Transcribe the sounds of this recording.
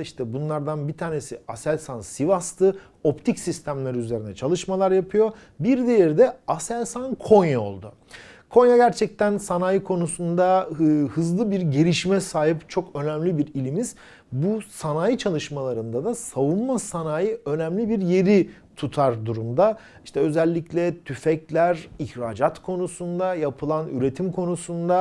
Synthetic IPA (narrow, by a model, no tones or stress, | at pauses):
iʃt̪ʰɛbunlˠaɾd̪anbit̪ʰaːne̞siasælʲsansivast̪ʰɯ | o̞pt̪ʰicsist̪ʰæmlʲeɾiyze̞ɾinɛt͡ʃʰalˠɯʃmalˠaɾjapʰɯjo̞ | biɾd̪e̞jɛɾd̪ɛasælʲsankʰo̞njao̞̰lˠd̪ʊ | kʰo̞njaɟæɾt͡ʃʰɛc̚t̪ʰænsanaːjɯkʰo̞nusund̪ahɯzlˠɯbiɾɟeɾiʃimɛsaːɦipt͡ʃʰo̞kø̞næmlʲibiɾilʲimiz̥ | busanajɯt͡ʃʰalˠɯʃmalˠaɾɯnd̪ad̪asavunmasanaːjɯø̞nɛmlʲibiɾje̞ɾi | t̪ʰut̪ʰaɾd̪uɾumd̪a | iʃt̪ʰɛø̞zɛlʲːiclʲɛt̪ʰyfɛclʲæɾiçɾaːd͡ʒat̪kʰo̞nusund̪ajapʰɯlˠany̰ɾe̞t̪ʰimkʰo̞nusund̪a